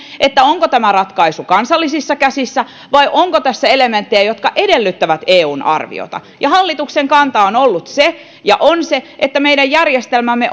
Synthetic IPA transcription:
ʔet̪ːæoŋkot̪æmærɑt̪kɑisukɑnsɑlːisisːɑkæsisːæ | ʋɑiʔoŋkot̪æsːæelement̪ːejæjot̪kɑʔedelːyt̪ːæʋæt̪eːuːnɑ̰rʋḭo̰t̪ɑ̰ | jɑhɑlːit̪ukseŋkɑnt̪ɑonolːut̪se | jɑ̰ʔonseʔet̪ːæmeidæjjærjest̪elmæmːe

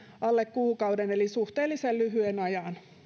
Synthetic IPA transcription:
ɑlːekkuːkɑudenelisuht̪eːlːˑisellyɦyenɑjɑn

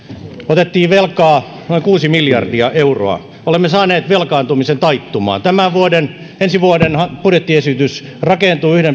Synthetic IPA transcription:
ot̪et̪ːiːʋʋelkɑː | noiŋkuːsimiljɑrdiɑʔeuro̰ɑ̰ | olemːesɑːneːt̪ʋelkɑːnt̪umisent̪ɑit̪ːumɑ̰ːnt̪æmæʋʋuoden | ensiʋuodenhɑpuret̪ːiesyt̪ys | rɑkent̪uːyhɾem

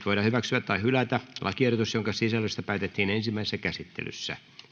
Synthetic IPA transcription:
t̪ʋoiɾɑhyʋæksyæt̪tɑihylæt̪ælʔɑ̰kierot̪usjoŋkɑsisælːøst̪ɑpæːt̪et̪ːiːnensimːæisesːækæsit̪ːḛly̰sːæ̰

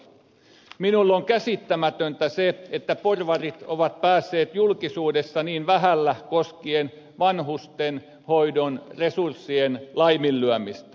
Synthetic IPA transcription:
minulːoŋkæsit̪ːæmæt̪ønt̪æseet̪ːæporʋɑrit̪oʋɑt̪̚pæːsːe̞ːt̪julkisuːdesːɑniːnʋæɦælːækoskien | ʋɑnɦust̪en | hoidonresursːienlɑjmilːyæmist̪æ

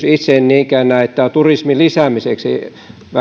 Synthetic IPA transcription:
sit̪senniːŋkænːæet̪ːæt̪urismilisæmiseksḭ | ʋæ

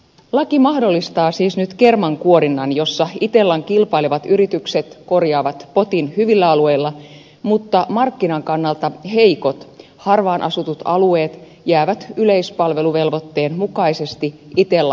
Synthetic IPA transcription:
lɑkimɑhdo̞lːist̪ɑːsiːsnyt̪ke̞rmɑŋkuo̞ɾinːɑnjo̞sːɑit̪e̞lːɑŋkilpɑiliʋɑt̪yɾit̪ykset̪ko̞rjɑːʋɑt̪po̞t̪inhyʋilːæɑlue̞jlːɑ | mut̪ːɑmɑrkːinɑŋkɑnːɑlt̪ɑhe̞iko̞t̪ | hɑrʋɑːnʔɑsut̪ut̪ɑlue̞ːt̪ | jæːʋæt̪yle̞ispɑlʋe̞luʋe̞lʋo̞t̪ːe̞ːnmukɑise̞st̪iit̪elːɑ

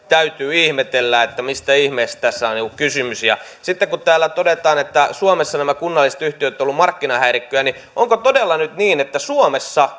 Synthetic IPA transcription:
t̪æyt̪yːihmet̪elːæet̪ːæmist̪æihmeist̪æsːæonikukkysymysjɑ̰ | sit̪ːekkut̪æːlːæt̪odet̪ɑːnet̪ːæsuomesːɑnæmækunːɑlːˑiset̪yht̪iøt̪ːolːumɑrkːinɑhæirikːøjæni | ʔoŋkot̪odelːɑnyt̪niːnet̪ːæsuomesːɑ

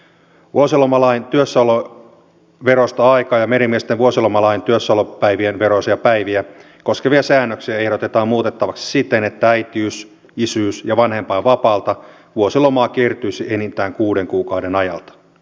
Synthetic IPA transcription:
ʋuosilomɑlɑint̪yøsːɑlo | ʋeɾost̪ɑɑikɑːjɑmeɾimiest̪eʋuosilomɑlɑint̪yøsːɑlopæiʋienʋeɾosɑjɑpæiʋiæ | ko̞skeʋiɑsæːnːøksiæehɾot̪e̞t̪ɑːmmuːt̪et̪ːɑʋɑksi̥sit̪enet̪ːææjt̪iys | isyːsjɑʋɑnhe̞mpɑːʋɑpɑːlt̪ɑ | ʋuosilo̞mɑːkiert̪yjsiʔenint̪æːŋkuːde̞ŋkuːkɑwdenɑjɑ̰lt̪ɑ̥

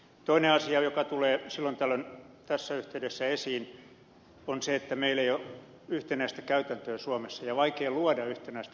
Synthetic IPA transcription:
t̪oineɑsiɑjokɑt̪uleːsilːont̪ælːønt̪æsːæyht̪eydesːæesiːn | onseet̪ːæmeileijo | yht̪enæist̪ækæyt̪ænt̪øːsuɑmesːɑjɑʋɑikeːluɑdɑyht̪enæist̪æ

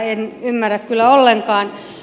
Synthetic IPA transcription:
enymːærækkylːæolːeŋkɑːn

